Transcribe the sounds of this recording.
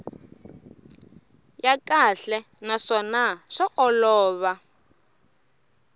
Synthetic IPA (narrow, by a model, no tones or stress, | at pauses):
jakaɬɛ | naʂɔnaʂɔʔɔlɔːβa